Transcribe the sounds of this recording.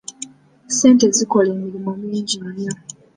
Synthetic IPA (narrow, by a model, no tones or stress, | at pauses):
se̞ːnteziko̞le̞ːmiɾimoːmiːɲɟimo